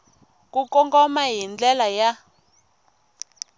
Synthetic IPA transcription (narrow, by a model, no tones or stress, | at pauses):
kukɔŋɡɔmajind͡ɮɛlaja